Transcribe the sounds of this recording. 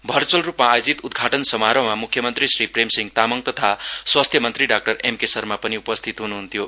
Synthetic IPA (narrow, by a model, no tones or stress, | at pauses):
bʱʌrt͡sʌlrupmaːjod͡zit̪ud̪ɡʱaʈʌnsʌmaɾʌmamukʰjʌmʌnt̪risripremsiŋɡt̪amʌŋt̪ʌt̪ʰaswast̪ʰjʌmʌnt̪riɖak̚ʈʌremkesʌrmapʌniupʌst̪ʰit̪ɦunuɦunt̪ʰjo